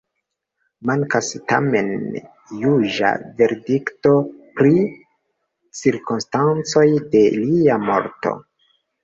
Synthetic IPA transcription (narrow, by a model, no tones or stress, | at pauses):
maŋkastame̞n | juʒa̰ve̞ɾdikto̞pɾi | t͡siɾkonstant͡so̞jde̞liamo̞ɾto̞̰